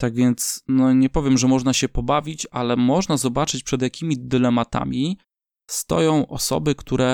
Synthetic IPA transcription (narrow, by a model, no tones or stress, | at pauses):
t̪aɡvʲjɛnt̪snɔɲɛpɔvʲjɛmʐɛmɔʐnaɕɛpɔbavʲit͡ɕalɛmɔʐnazɔbat͡ʂɘt͡ɕpʂɛd̪ʲjakʲimʲid̪ɘlɛmat̪a̰mʲi | st̪ɔ̰jɔ̃w̃ʔɔsɔ̰bɘkt̪ʰuɾɛ